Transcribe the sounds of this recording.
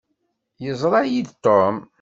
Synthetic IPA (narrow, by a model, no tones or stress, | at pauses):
jəzˤɾˤɑjid̪t̪ːom